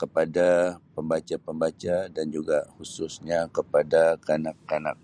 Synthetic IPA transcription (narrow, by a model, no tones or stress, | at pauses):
kəpadapəmbat͡ʃapəmbat͡ʃadand͡ʒuɡahususɲakəpadakanakːana̰k̚